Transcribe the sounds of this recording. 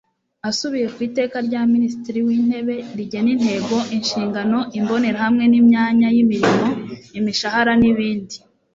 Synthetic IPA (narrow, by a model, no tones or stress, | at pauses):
asuβije̞kwiːte̞ːkaɾɟaːminisi̥tiɾiwiːn̥he̞βe̞ɾiɟe̞nin̥he̞ɡo̞ʔinʃiːŋɡano̞ʔimbo̞ne̞ɾahamŋe̞nimɲaːɲajimiɾimo̞imiʃahaɾaniβiːndi